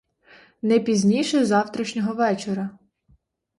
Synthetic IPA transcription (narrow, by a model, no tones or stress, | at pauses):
nɛpʲizʲnʲijʃɛzɑwt̪ɾɐʃnʲɔɦɔʋɛt͡ʃeɾɐ